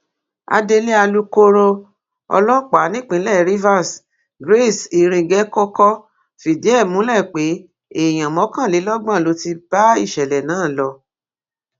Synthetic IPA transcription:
a̰˧de˧le˦a˧lu˧ko˦ɾo˧ | ɔ̰˧lɔ˦k͡pa˨˦nĩ˦k͡pĩ˧˦lɛ˦˨ɾi˦va˦˨s | ɡɾe˦˨si˧ɾ̃ĩ˧ɡɛ˨˦kɔ˦kɔ˦ | fi˨di˨˦ɛ˦˨mũ˨˦lɛ˦˨k͡pe˨˦ | e˦˨j̃ã˨mɔ̃˨˦kã˦˨le˨˦lɔ˦ɡ͡bã˦˨lo˨˦ti˧ba˦ḭ˦˨ʃɛ˨lɛ˨nãː˨˦˨lɔ˧

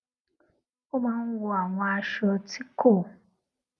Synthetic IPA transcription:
o˦mãː˦n̩˦wo˧a˨w̃ɔ̃˧a˧ʃɔ˧ti˦kʰo˦˨

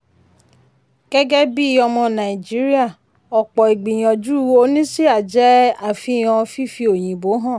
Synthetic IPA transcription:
ɡ̥ɛ˦ɡɛ˦bi˦˨ɔ˧mɔ̃˧nã˨i˨d͡ʒi˦ɾi˦a˦˨ | ɔ˨k͡pɔ˨i˨ɡ͡bi˨j̃ɔ̃˨d͡ʒu˦o˧˦nĩ˦si˦a˦˨d͡ʒɛ˦a˦˨fĩ˧˨j̃ɔ̃˧fi˦fi˧o˨j̃ĩ˨bo˨˦ɦã˦˨

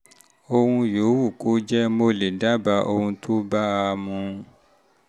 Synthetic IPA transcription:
o˧hũ˧jo˨˦wu˦˨ko˨˦d͡ʒɛ˦mo˧le˨da˦ba˧˦ʔo˧hũ˧tʰo˦ba˦a˧mũ˧

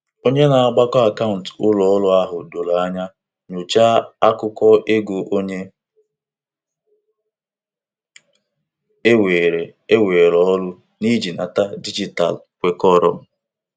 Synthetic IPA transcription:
o˦ɲe˦na˨a˨ɡ͡ba˦kɔ˦a˨ka˦ʊ˨n̩˨tʊ˦lɔ˨ɔ˦lʊ˦a˦ɦʊ˨do˨la˨a˦ɲa˦ | ɲo˨t͡ʃa˦a˦kʊ˦kɔ˦ʔe˦ɡu˨ʔo˦ɲe˦ | e˦weː˨ɾe˨e˦we˨ɾɔ˦lʊ˦ | ni˦d͡ʒi˨na˨ta˦di˦d͡ʒi˨ta̰˨lkʷe˦kɔ˦ɾɔ˦m̩˨

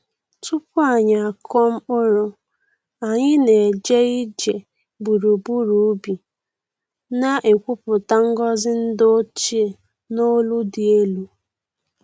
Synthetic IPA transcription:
tu˦pʊ˦a˨ɲa˨a˨kʰɔ˦m̩˦ʊ˦ɾʊ˦ | a˨ɲɪ˦ne˨d͡ʒe˦i˦d͡ʒe˨ | bu˨ɾu˨bu˦ɾu˨˦bi˨ | na˦ʔe˨kʷu˦pʊ˨ta˦ŋ̩˦ɡɔ˦zɪ˦n̩˦do˦t͡ʃi˦e˨ | no˦lu˦dɪ˨e˦lu˦

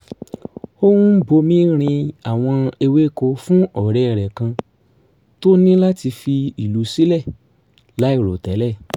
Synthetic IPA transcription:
o˦wũ˦bo˧mĩ˦ɾ̃ĩ˧a˨w̃ɔ̃˧e˧we˦ko˧fũ˦ɔ˦˨ɾɛ˧˨ɾɛ˨kã˧ | to˦nĩ˦la˦ti˧fi˧i˨lu˨˦si˦lɛ˦˨ | la˨˦i˦˨ɾo˨tɛ˨˦lɛ˦˨

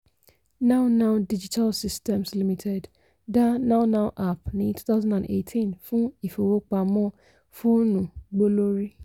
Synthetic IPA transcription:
nã˦ʊ˦nã˦ʊ˨di˦d͡ʒi˦tʰa˦lsi˦stɛ̃˨msli˦mĩ˨tʰɛ˨d | da˦nã˦ʊ˦nã˦ʊ̃˦ʔa˨pnĩ˨tʰu̥˦θa˦ʊzã˦ndã˨nḛ˨tʰĩ˦nfʊ̃˦i˨fo˨wo˦k͡pa˨mɔ̃˦ | fʊ˦o˦nũ˨ɡ͡bo˦lo˦ɾi˦

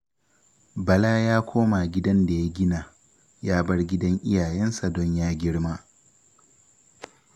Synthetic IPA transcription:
bɐ˨laː˦jaː˦kʷʰoː˦ma˨ɡʲɪ˦dɐ˦nda˨ja˦ɡʲɪ˦naː˨ | jaː˦bɐ˦rɡʲɪ˦dɐ˦ŋʔɪ˦jaː˨jɛ˦nsa˨dɔ˦ɲjaː˦ɡʲɪ˦ɽmaː˦

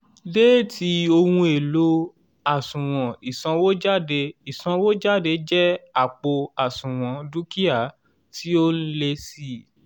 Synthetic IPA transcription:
deː˦tʰi˨˦o˧hũ˧e˨lo˨˦ | a˨sũ˨w̃ɔ̃˨i˨sã˧wo˦d͡ʒa˦˨de˧i˨sã˧wo˦d͡ʒa˦˨de˧˦d͡ʒɛ˦a˦˨k͡po˧a˨sũ˨w̃ɔ̃˨˦du˦ki˦a˦˨ | ti˦o˦n̩˦le˧si˦˨

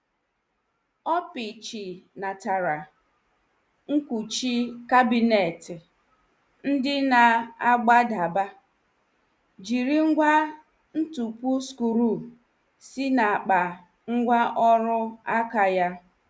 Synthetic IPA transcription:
ɔ˦pi˨t͡ʃi˨na˨ta˨ɾa˨ | ŋ̩˦ku˨t͡ʃi˦ka˦bi˨ne˨tɪ˨ | n̩˦dɪ˦na˨a˦ɡ͡ba˦da˨ba˦ | d͡ʒi˨ɾi˦ŋ̩˦ɡʷa˦ | n̩˦tu˨pu˦sku˨ɾu˦˨ | si˦na˨k͡pa˨ | ŋ̩˦ɡʷa˦ʔɔ˦ɾʊ˦a˦ka˨ja˦

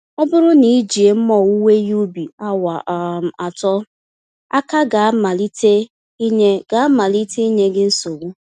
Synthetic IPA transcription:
ɔ˦bʊ˦ɾʊ˦ni˨˦d͡ʒi˨e˨m̩˦mɔ˨u˦we˦ju˦bi˨a˦wa˨ʔa˨tɔ˦ | a˦ka˦ɡa˨˦ma˨li˦te˦ | i˦ɲe˦ɡ̥a˨a˦ma˨li˦te˦i˦ɲe˦ɡɪ˦n̩˦so˨ɡu˦

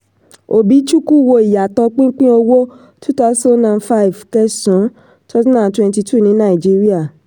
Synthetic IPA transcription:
o˨bi˨˦t͡ʃu˦ku˦˨wo˧i˨ja˨tɔ˧k͡pĩ˦k͡pĩ˦o˧wo˦ | tʰu˦ta˧˦sã˦nã˨nfa˦i˨fkɛ˦sɔ̃˨˦ | tʰa˦snã˨n˨twɛ̃˧nt̬i˧tʰu˦˨nĩ˨˦nã˦˨i˨d͡ʒi˦ɾi˦a˦˨

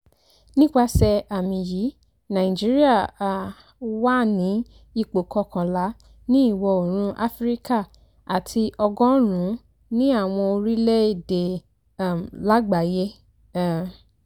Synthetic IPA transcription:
nĩ˦k͡pa˧sɛ˧a˨mĩ˨ji˨˦ | nã˨ĩ˨d͡ʒi˦ɾi˦a˦˨ | wa˦nĩ˨˦ | i˦˨k͡po˨kɔ˧kã˨la˨˦ | nĩ˦i˦˨wɔ˧o˨ɾ̃ũ˧ʔa˦fɾi˦ka˦˨ | a˨tʰi˧ʔɔ˧ɡɔ̃˦ɾ̃ũ˨˦ | nĩ˦a˦˨w̃ɔ̃˧o˧ɾi˦lɛ˦e˦˨de˨˦˨ | la˦ɡ͡ba˨je˦

